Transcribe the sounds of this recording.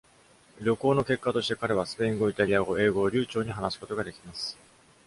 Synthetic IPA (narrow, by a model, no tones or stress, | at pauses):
ɾʲo̞ko̞ːno̞ke̞kːat̪o̞ɕt̪e̞kaɾe̞β̞asɨ̥pe̞ĩŋɡo̞it̪aɾʲiaɡo̞e̞ːɡo̞ːɾʲɨ̟ːt͡ɕo̞ːɲ̟iɦanasɨ̥ko̞t̪o̞ɡad̪e̞kʲimasɨ̥